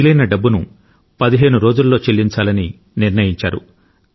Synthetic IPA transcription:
ilɐjnɐɖɐbːunu | pɐd̪iɦe̞ːnuɾo̞ːd͡ʒulːo̞ːt͡ʃe̞lːiɲt͡ʃaːlɐni | niɾnɐjiɲt͡ʃaːɾṵ

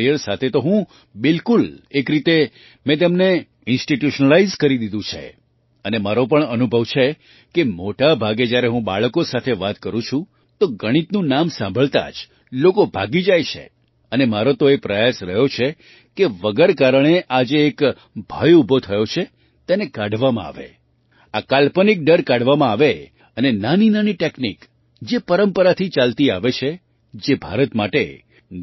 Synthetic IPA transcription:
ijəɾsat̪ʰet̪oɦũ | bɪlkulekɾit̪e | mɛ̃t̪̬emne | ɪnsʈiʈjuʃnəlaizkəɾid̪id̪ũt͡ʃʰḛ | ənemaɾõp̬əɳənubʱəʋt͡ʃʰe | kemoʈabʱaɡed͡ʒjaɾeɦũba̰ɭkosat̪ʰeʋat̪kəɾũt͡ʃʰũ | t̪oɡəɽ̃it̪nũnamsãmbʱəɭt̪a̰d͡ʒ | lokobʱa̰ɡid͡ʒajt͡ʃʰḛ | ənemaɾot̪oepɾəjasɾəɦjot͡ʃʰe | keʋəɡəɾkaɾəɳ̃eʔad͡ʒeːk | bʱajubʱot̪ʰəjot͡ʃʰe | t̪enekaɖʱʋamã̰a̰ʋḛ | akalpənik̚ɖəɾkaɽ̤ʋamãaʋe | ənenaninaniʈeknik | d͡ʒepəɾəmpəɾat̪ʰit͡ʃalt̪ia̰ʋet͡ʃʰe | d͡ʒebʱa̰ɾət̪maʈe

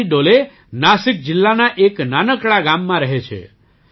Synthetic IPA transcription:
iɖole | nasik̚d͡ʒɪlːanaʔeknanəkɭaɡamːãɾəɦet͡ʃʰḛ

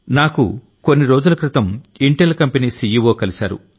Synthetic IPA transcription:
naːkṵ | ko̞nːiɾoːd͡ʒulɐkɾit̪ɐmiɳʈelkɐmpiniːsiːjiʋoːkɐlisa̰ːɾṵ

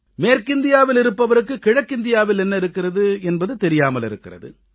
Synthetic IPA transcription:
meːɾkɪnd̪ɪjaːʋɪlɪɾɯpːɐʋɐɾɯkːɯkɪɻɐkːɪnd̪ɪjaːʋɪlɛnːɐɪɾɯkːɪrɐðɯɛnbɐðɯt̪ɛɾɪjaːmɐlɪɾɯkːɪrɐ̰ðɯ̰

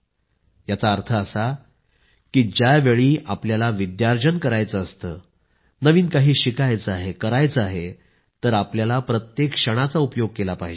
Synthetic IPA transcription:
jat͡saəɾt̪ʰəːsa | kiːd͡ʑaʋeɭiːapljalaʋid̪jaɾd͡ʑənkəɾajt͡səːst̪əː | nəʋiːnkaɦiːɕikajt͡səaɦekəɾajt͡səaɦe | t̪əɾapljalapɾət̪jekʂəɽ̃at͡saupjoɡ̚kelapaɦid͡ʑe

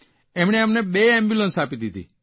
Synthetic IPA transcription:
ɛmɽ̃eamneɓeɛ̃mbjulənsapid̪it̪ḭ

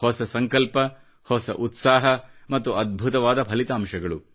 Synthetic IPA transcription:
hɔsɐsɐŋkɐlpɐ | hɔsɐʔut̪saːɦɐmɐt̪ːuʔɐd̪̚bʱut̪ɐʋaːd̪ɐpʰɐlit̪aːmʂɐɡɐɭu

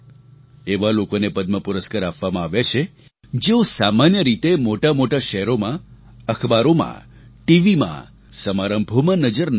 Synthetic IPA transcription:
eʋalokonepəd̪̚məpuɾəskaɾapʋamãaʋet͡ʃʰe | d͡ʒeosamanjəɾit̪emoʈamoʈaʃɛɦɾomã | əkʰbaɾomã̰ | ʈiʋimã̰ | səmaɾəmbʱomãnəd͡ʒəɾn

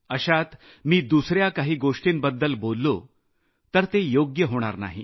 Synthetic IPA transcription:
əɕat̪ | miːd̪usɾjakaɦiːɡoʂʈiːnbəd̪ːəlbolːo | t̪əɾt̪ejoɡjəɦoɽ̃a̰ɾna̰ɦi

